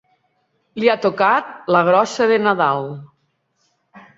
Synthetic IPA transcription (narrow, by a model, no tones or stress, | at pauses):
liat̪okat̪̚ləɣ̞ɾɔsəðenaðalˠ